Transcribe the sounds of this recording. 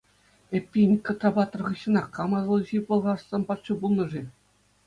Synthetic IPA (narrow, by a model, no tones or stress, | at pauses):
epʲːinʲkot̪rɑbɑt̪̆ːrʁɯ̆ɕːɤ̆nɑqːɑmɑzlˠɤʑibŏlˠʁɑssɑnpɑt̪ʂɤbulˠnɤ̆ʐe